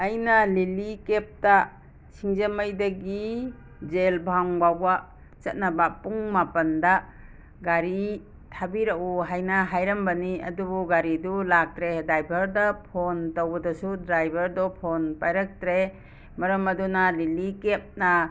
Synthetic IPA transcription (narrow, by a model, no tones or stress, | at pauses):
ɐjnalilikep̚ta | sʰiŋzamajdaɡi | d͡ʒelbʱaŋbawa | t͡ʃɐt̚nabapuŋmapɐnda | ɡaɾi | tʰabiɾaʔuɦajnaɦajɾɐmbaniɐ̰dubuɡaɾidulak̚tɾedajbʱɐɾdapʰontowbɐdɔsudɾajbʱɐɾdɔpʰonpajɾak̚tɾe | mɐɾɐmɐdunalilikep̚na